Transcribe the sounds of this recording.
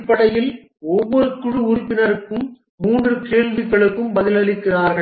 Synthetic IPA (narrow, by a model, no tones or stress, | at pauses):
pːɐɽɐjɪl | ɔʋːɔɾɯkʊɻɯʊɾʊpːɪnɐɾɯkːɯmː | uːndrɯkeːɭʋɪɣɐɭɯkːɯmbɐðɪlɐlɪkːɪraːɾɣɐ